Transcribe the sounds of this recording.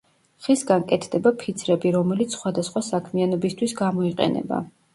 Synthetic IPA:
χisɡankʼɛt̪ʰd̪ɛbapʰit̪sʰɾɛbiɾɔmɛlit̪sʰsχwad̪asχwasakʰmianɔbist̪ʰwisɡamɔiqʼɛ̰nɛ̰ba̰

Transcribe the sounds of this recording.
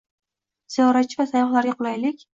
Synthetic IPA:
z̥ijɒɾat͡ʃʰɪvasajɒχlaɾɡʲaqʰʊlˠajlɪkʲ

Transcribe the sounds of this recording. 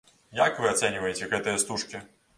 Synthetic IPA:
jakvɨat̪sɛnʲivɐjet͡sʲɛɣɛt̪ɐjɐst̪uʂkʲi

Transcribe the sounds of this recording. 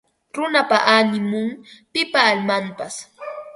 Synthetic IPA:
ɾʊnapaʔanɪmʊŋpɪpaːlmampas

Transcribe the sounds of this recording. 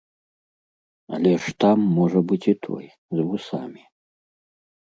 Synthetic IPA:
ɐ̰lʲɛʂt̪amːɔʐɐbɨt͡sʲit̪ʰɔ̰j | zvusamʲi

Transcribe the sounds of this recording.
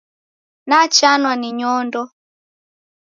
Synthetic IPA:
nat͡ʃanwaniɲɔndɔ

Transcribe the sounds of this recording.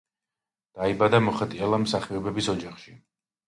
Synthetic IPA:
d̪̥aibad̪amɔχat̪ʼiɛlˠamsaχiɔbɛbisɔd͡ʒaχʃi

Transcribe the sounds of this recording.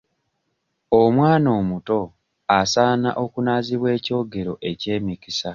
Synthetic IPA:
omwaːno̞ːmuto̞ | asaːna̰ʔo̞kunaːziβwe̞ːco̞ːɡe̞ɾo̞ʔe̞ce̞ːmikisa

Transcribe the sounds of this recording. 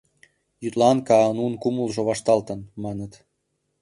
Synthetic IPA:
jyt̪lɑnkɑənunkuməlʒoβɑʃt̪ɑlt̪ənmɑnət̪

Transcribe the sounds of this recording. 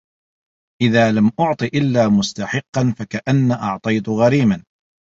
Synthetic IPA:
ʔɪðaːlamʔʊʕt̪ˤɨʔɪlːaːmʊst̪ɑħɪqːɑnfakaʔanːaʔɑʕt̪ˤɑjt̪ʊɣaɾiːman

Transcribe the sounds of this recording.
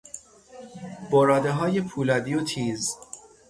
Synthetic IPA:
boɾɒːd̪eɦɒːjepʰuːlɒːd̪ijot̪ʰiːz

